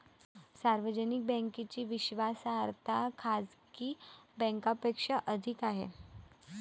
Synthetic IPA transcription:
saɾʋəd͡ʑənik̚bɛ̃ŋkit͡ɕiːʋiɕʋasːɾt̪ʰakʰad͡zkiːbɛ̃ŋkapekʂaʔəd̪ʱikaɦḛ

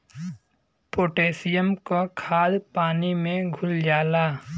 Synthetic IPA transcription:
poːʈeːsɪjəmkokʰaːd̪paːnimẽɡʱʊld͡ʒaːlaː

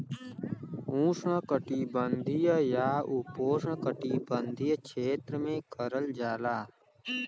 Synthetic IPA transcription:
ũːsãːkəʈiːbənd̪ʱiːjəjaːuːpoːsãːkəʈiːbənd̪ʱijət͡ʃʰeːt̪ɾəmẽːkəɾəld͡ʒaːlaː

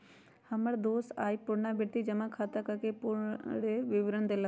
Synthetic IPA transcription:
hɐməɽd̪oːsaːipʊɾnabʱɪɽt̪id͡ʒɐmãkʰaːt̪akakʰepʊɽeʋɪʋɾəɳd̪elɐ

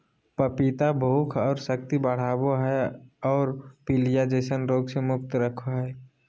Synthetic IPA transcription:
pəpit̪abʱoːkʰɔːɾsəkt̪ibəɽ̤aːboɦɛɔːɾpilijad͡ʒeːsənɾoːɡsemʊk̚t̪ɾəkʰoɦɛː

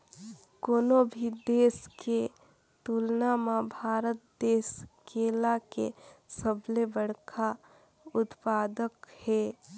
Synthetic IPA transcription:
koːnobʱid̪eːske | t̪uːlnamabʱaːɾət̪̚d̪eːskeːlakḛsəblebəɽkʰa | ʊt̪paːd̪əkhɛ

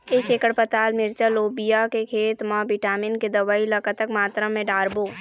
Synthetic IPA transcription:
eːkeːkəɽpət̪aːlmɪɾt͡ʃəloːbijakekʰeːt̪mãʋɪʈaːmɪnked̪ɐʋaːiləkət̪əkmaːt̪ɾəmẽɖaːɾboː

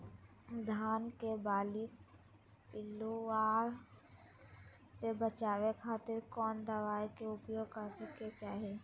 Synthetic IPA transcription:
d̪ʱaːnkebaːlɪk | pɪlːuaːɾ | sebət͡ʃaːʋekʰaːt̪ɪɾkɔːnd̪əʋaːjkeʊpjoːɡkat̪ɪket͡ʃaːɦeː

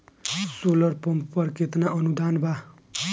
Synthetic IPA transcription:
solʌrpʌmppʌrket̪naʔʌnud̪ʱanbʱa

